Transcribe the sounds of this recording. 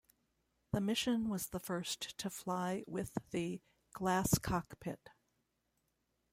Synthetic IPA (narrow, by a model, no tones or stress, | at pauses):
ðɨmɪʃɨ̃nwʌzðəfɜ˞sttʰɨflaɪwɪðɨ | ɡ̥læskʰɑkpʰɪt̚